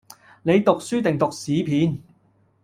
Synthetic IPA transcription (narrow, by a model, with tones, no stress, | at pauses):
ne˨˧jt̪ʊ˨k̚syː˥t̪ɪ˨ŋt̪ʊ˨k̚siː˨˥pʰiː˨˥n